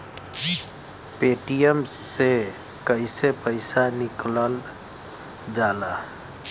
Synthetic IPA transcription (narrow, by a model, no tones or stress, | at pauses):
peːʈijəmsekəɪsepəɪsanɪkləl | d͡ʒaːla